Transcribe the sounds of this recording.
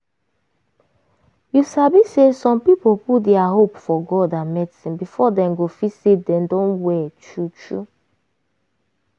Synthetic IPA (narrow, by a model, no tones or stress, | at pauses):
jusabisesɔ̃mpipopudɛaɦopfɔɡɔdamɛdsĩnbifɔdɛ̃mɡofisidɛ̃ndɔ̃nwɛt͡ʃut͡ʃṵ